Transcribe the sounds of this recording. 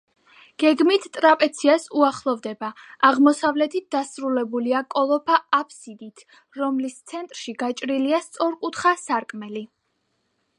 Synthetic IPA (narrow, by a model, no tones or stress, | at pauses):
ɡ̥ɛɡmit̪ʰt̪ʼɾapʼɛt̪sʰiasuaχlˠɔvd̪ɛbaaʁmɔsavlɛt̪ʰit̪̚d̪asɾulɛbuliakʼɔlˠɔpʰaapʰsid̪it̪ʰ | ɾɔmlist̪sʰɛnt̪ʼɾʃiɡat͡ʃʼɾiliast̪sʼɔɾkʼut̪ʰχasaɾkʼmɛli